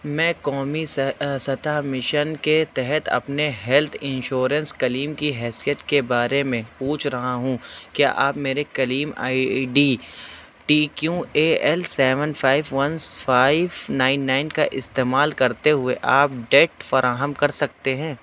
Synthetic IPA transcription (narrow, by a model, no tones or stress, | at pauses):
mɛ̃ːkɔːmissɐt̪amɪʃənket̪ɛɦɛt̪ɐ̰pneɦɛlt̪ʰɪ̃nʃoːɾə̃nskɐliːmkiɦɛːsijət̪kebaːɾemẽpuːt͡ʃʰɾɐɦaɦũkja̰ːʔaːpmeːɾekɐliːma̰ːiɖiː | ʈiːkjueːɛlsɛːʋə̃nfʰaːɪʋʋɐnfaːɪʋnaːɪnːaːɪnkaʔɪst̪eːmaːlkɐɾt̪eɦʊeʔaːp̚ɖeːʈfɐɾʔaːɦəmkɐɾsɐk̚t̪eɦɛ̃ː